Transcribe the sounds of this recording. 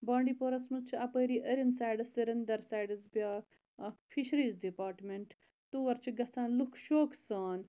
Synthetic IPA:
bãːɳɖiːpoɾɐsmut͡ʃʰɐpəːɾiːʔəɾʲənsaːjɖɐsɐɾʲɐnd̪ɐɾsaːjɖɐsbaː | ɐkpʰiʃɾiːzɖipaːɾʈmeɳʈ | t̪uːʋɐɾt͡ʃʰuɡɐt͡sãːnlukʰʃoːkʰsaːn

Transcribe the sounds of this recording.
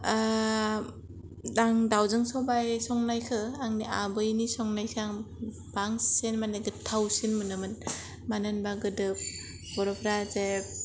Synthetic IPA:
daŋdawzɯŋsɔwbajsɔŋnajkʰɯaŋniabɯjnisɔŋnajkʰɯaŋ | baŋssenmaneɡɯtʰːawsinmɯnɯmɯn | manɯnbaɡɯdɯp̚ | b̥ɔɾɔpʰɾazep̚

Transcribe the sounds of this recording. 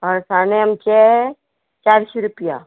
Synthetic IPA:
ɔɾsaːneəmt͡ʃɛ | t͡ʃaːɾsiɾʊpija

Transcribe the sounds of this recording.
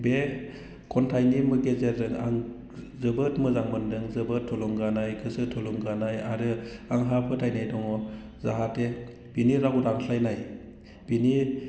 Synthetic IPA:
be | kʰɔntʰajnimɯɡezezɯŋa̰ŋ | zɯbɯtmɯzaŋmɯndɯŋzɯbətʰːɔlɔŋɡanajkʰɯsɯtʰɔlɔŋɡanajaɾɯaŋɦapʰɯtʰajnajdɔŋɔ | zaɦate | b̥iniɾaɡuɾaŋsajnaj | b̥ini

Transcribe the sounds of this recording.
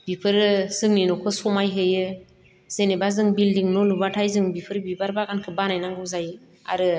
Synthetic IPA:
b̥ipʰɯɾsɯŋninɔkʰɯsɔmajɦɯjɯ | z̥enebazɯŋbildiŋnɔlubatʰajzɯŋbipʰɯɾbibaɾbakankʰɯbanajnaŋɡɯzaj | a̰ɾɯ

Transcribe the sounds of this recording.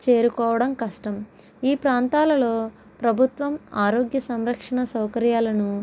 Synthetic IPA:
t͡ʃe̞ːɾukɔːʋɐɽɐmkɐʂʈɐm | iːpɾaːnt̪aːlɐlo̞ː | pɾɐbʱut̪ʋɐmaːɾoːɡjɐsɐmɾɐkʂɐɳɐsɐwkɐɾjaːlɐnu

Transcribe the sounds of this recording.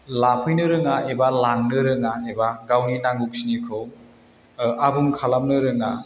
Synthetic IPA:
lapʰɯjnɯɾɯŋaebalaŋnɯɾɯŋaebaɡawninaŋɡuk̚sinikʰɯw | abuŋkʰalam̚nɯɾɯŋa

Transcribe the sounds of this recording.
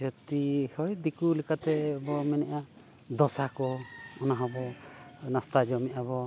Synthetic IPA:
ɔt̪ihɔjd̪ikulikat̪ɛbɔmɛnɛʔad̪ɔsakɔɔnaɦɔbɔnast̪ad͡ʒɔmɛʔabɔ

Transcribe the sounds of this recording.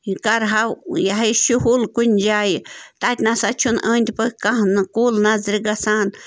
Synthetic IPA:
ikaɾɦawjaɦajʃuhulkʷind͡ʒajt̪at̪ʲnãsat͡ʃunʔə̃nd̪pekaɦnãkulnãzɾiɡasan

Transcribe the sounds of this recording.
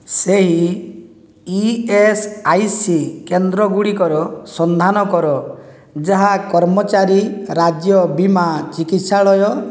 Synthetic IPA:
seɦi | iesajsikend̪ɾɔɡuɽikɔɾɔsɔnd̪ʱanɔkɔɾɔ | d͡ʒaɦakɔɾmɔt͡ʃaɾiɾad͡ʒjɔbimat͡ʃikit̪saɭɔjɔ

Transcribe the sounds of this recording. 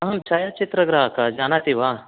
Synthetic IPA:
ɐɦɐmt͡ʃaːjat͡ʃit̪ɾəɡɾaɦakad͡ʒaːnat̪iʋa

